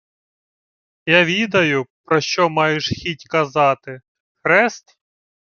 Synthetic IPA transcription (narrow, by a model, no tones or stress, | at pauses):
jaʋʲid̪ɐjʊpɾɔʃt͡ʃɔmɑjɪʃxʲitʲkɐzɑt̪ɪ | xɾɛst̪